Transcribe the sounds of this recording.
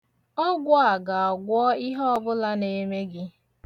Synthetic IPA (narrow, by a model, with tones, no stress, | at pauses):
ɔ˦ɡʷʊ˦a˨ɡa˨ɔ˨ɡʷɔ˦i˦ɦɔ˦ɔ˦bʊ˦la˦ne˨me˦ɡɪ˦